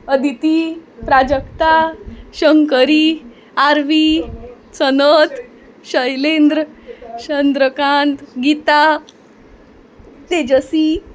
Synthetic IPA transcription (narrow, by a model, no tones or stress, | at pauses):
əd̪ʱit̪ipɾad͡ʑəkt̪aɕəŋkəɾi | aɾʋi | t͡sənət̪ | ɕəjlend̪ɾəɕənd̪ɾəkãnt̪ɡit̪a | t̪ed͡ʑəsi